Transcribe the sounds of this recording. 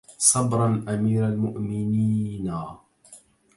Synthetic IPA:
sˤɑbɾˤɑnʔamiːɾalmʊʔmɪniːna

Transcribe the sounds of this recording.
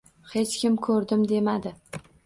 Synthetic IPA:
he̞t͡ʃkʲɪmkʰɵɾd̪ɪmd̪e̞mad̪ɪ

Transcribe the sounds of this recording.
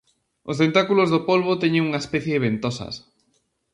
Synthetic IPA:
ost̪ent̪akulozðopolβot̪ɛɲẽŋuŋaespɛθjeβent̪osɐ̰s

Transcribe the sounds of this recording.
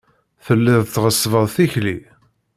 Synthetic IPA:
θəlːɪðˤθʁəsːvəðˤθiçli

